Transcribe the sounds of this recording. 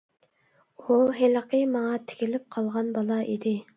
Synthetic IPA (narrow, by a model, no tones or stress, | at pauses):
uɦeləqʰəmɑŋɑt̪ʰe̥kʲilɪp̚qʰɑlˠʁɑnbɑlˠɑʔid̪ɪ